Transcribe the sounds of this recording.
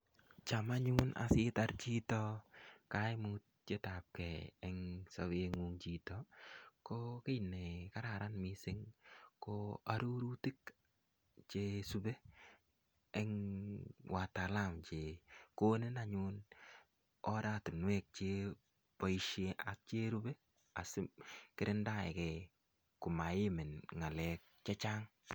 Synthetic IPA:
t͡ʃa˨ma˦ɲʊ˦nʔa̰sɪ˦ta˦ɾt͡ʃi˦tɔ˦ka˦ɪ˦mu˦t̚d͡ʒe˦ta˨p̚kɛ˨ɛ˦ŋsa˨˦we˦ŋuŋt͡ʃi˦tɔko˦kɪ˦jne˨ka˦ɾa˨ɾa˦nmɪ˦sɪ˦ŋko˦a˦ɾu˦ɾu˦tɪ˦k | t͡ʃe˦su˦be˦ | ɛ˦ŋ | wa˨ta˨la˦˨mt͡ʃe˨ko˦nɪ˦na˨ɲʊn | ɔ˦da˦˨tu˨nwɛ˦k̚t͡ʃe˦ | pɔ˦iʃe˦a̰˨k̚t͡ʃe˦ɾu˦be˦ | a̰˨sɪ˦kɪ˦ɾɪ˦nda˦˨ɛ̰˨kɛ˨ | kʊ˨ma˨jɪ˦mɪ˨nŋa˨lɛ˦k̚t͡ʃɛ˦t͡ʃa˦ŋ

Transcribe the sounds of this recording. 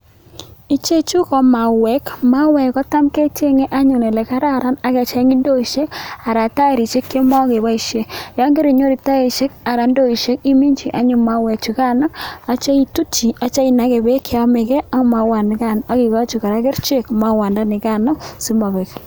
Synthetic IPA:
i˦t͡ʃe˦t͡ʃu˦kɔ˨ma˨wɛ˦kma˦wɛ˨kɔ˦ta˦mke˦t͡ʃe˦ŋe˦ʔa˦ɲʊ˨ne˨lɛ˨ka˦ɾa˦ɾa˦na˦kɛ˨t͡ʃa˦ŋi˦ndo˦i˨ʃe˦ka˨ɾa˨ta˦e˨ɾi˨t͡ʃe˦kːe˦mɔ˦ke˨ba˦i˨ʃe˦jɔ˦ŋɡe˦ɾi˨ɲo˦ɾi˨ta˦e˨ʃe˦ka˨ɾa˨ndo˦i˨ʃe˦ki˦mi˦ɲt͡ʃi˨ʔa˦ɲʊ˨ma˦wɛ˨kt͡ʃu˨ka˦nɔ˦a˦t͡ʃa˦i˦tu˦t͡ʃi˨a˨t͡ʃa˦i˨na˦ke˨be˦kʰe˨ɔ˦me˨kɛ˦a˦ŋ˦˨ma˨wa˨nɪ˨˦ka˨na˦ki˨ɣɔ˦t͡ʃu˨ka˨ɾa˦ke˦ɾt͡ʃe˦kma˦wa˨nda˦nɪ˨ka˦nɔ˦si˦ma˨βɛ˨k

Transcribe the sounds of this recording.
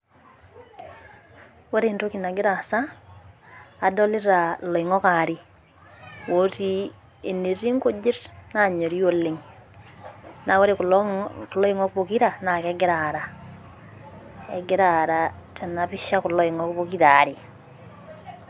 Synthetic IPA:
wɛ˦ɾento˦kina˨ɡe˦ɾa˨sa˦˨ | dɔ˦li˦ɾa˨lɔ˨i˨ŋɔ˦kaɾi˨ | woti˦ | e˨ne˨ɾi˦ŋko˦d͡ʒɪ˦ɾna˨ɲo˨ɾio˦leŋ | na˨we˦ɾe | klɔ˦i˦ŋɔ˦kβo˨ki˦ɾa˨na˨kɛɡe˦ɾaɾa | ɛ̰˨ɡeɾaɾa˨tʰɛ˨na˨pi˦ʃa˦ku˨lɔ˦i˨ŋɔβoki˦ɾaːɾi˨

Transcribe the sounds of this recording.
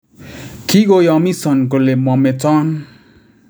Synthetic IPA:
ki˦ɡojɔmi˦sɔ˨nk̬ole˨mɔ˨me˨t͡sɔ˦n

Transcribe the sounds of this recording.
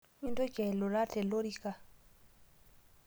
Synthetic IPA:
wi˦ndo˦kɛ˨lo˨ɾa˦tɛ˨lo˦ɾi˦ka˨

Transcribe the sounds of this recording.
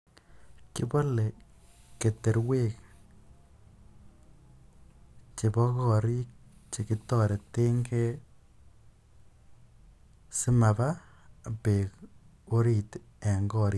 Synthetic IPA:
ki˦bɔ˦le˨ | ke˨te˨ɾwe˦k | t͡ʃe˨bɔ˦kɔ˦˨ɾi˦k̚t͡ʃe˨ki˦tɔ˦ɾe˨te˦ŋɡe˦ | si˦ma˨ba˦ | pe˨k | o˦ɾi˦˨t | e˨ŋɡɔ˦ɾi˦

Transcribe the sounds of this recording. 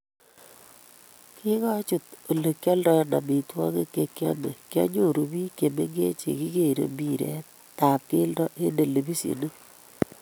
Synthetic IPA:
ki˦ŋa˦t͡ʃu˨to˨le˨kjɔ˦ldɔ˦na˨mi˨twɔ˦ŋe˦ke˨kjɔ˦me˨kjɔ̰˦ɲo˦˨ɾu˨βi˦ke˨me˦ŋɡe˦t͡ʃḛ˨ki˦ke˦i˨ɾḛ˨mbi˦ɾɛ̰˦ | ta˨p̚ke˦ldɔ˦ʔe˦nde˨le˨bi˦sḭ˨nu˦

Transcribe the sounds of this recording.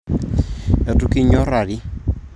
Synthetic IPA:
ɛ˨tu˦ki˦ɲɔ˦ɾa˨ɾi˦

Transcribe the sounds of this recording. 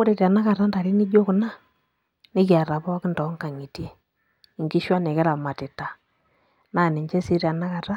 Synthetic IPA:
ʊ˦ɾe˨ta˨na˦ka˨ta˦nda˨ɾi˦ni˦d͡ʒo˦kna˦ | nɪ˦kja˨ɾa˨bɔ˦kɪ˦ndɔ˨˦ŋka˨ŋi˨ti˦ | i˨ŋɡi˦ʃwa˦nɛ˨kɛ˦la˨ma˨tɪ˨ta˨ | na˦˨nɪ˨ɲt͡ʃɛ˦si˦ɾa˨na˦ka˨ta˦

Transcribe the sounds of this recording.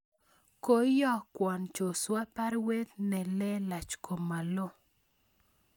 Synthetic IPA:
ko˦jɔ˦kwɔ˨nt͡ʃo˨swa˦pa˦ɾwe˦t̪nɛ˨lɛ˦la˨t͡ʃko˨mːa˨lo˦

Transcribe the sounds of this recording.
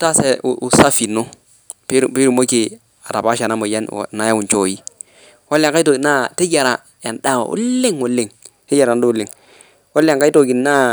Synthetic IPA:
ta˦sɛ˨ṵ˨u˨sa˦fi˨no˦ | pe˦ɾpi˦ɾu˨mo˦ki˨ | a˨ta˨pa˦ʃa˨na˦mo˨ja˦n̰˨na˨ja˦wu˨nt͡ʃo˦˨ji˦ | wa˦la˨ŋka˦jto˨ɡna˦te˦d͡ʒa˨ɾa˨ | ja˨nda˦˨w̰ṵ˦lɪ˦ŋwu˨lːɪ˨ŋte˦d͡ʒa˨ɾndu˦lɪ˨ŋ | wa˦la˨ŋka˦i˦to˨ɡi˨na˦

